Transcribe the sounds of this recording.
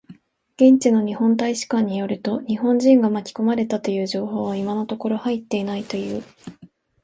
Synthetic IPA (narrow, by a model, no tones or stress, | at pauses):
ɡ̥ẽ̞ɲ̟t͡ɕino̞ɲ̟ihõ̞nt̪aiɕi̥kãɲ̟ːijo̞ɾɯ̟t̪o̞ɲ̟ihõ̞ɲ̟d͡ʑĩŋɡamakʲi̥ko̞maɾe̞t̪at̪o̞jɯ̟ːʑo̞ːho̞ːβaimano̞t̪o̞ko̞ɾo̞hait̪ːe̞inait̪o̞jɯ̟ː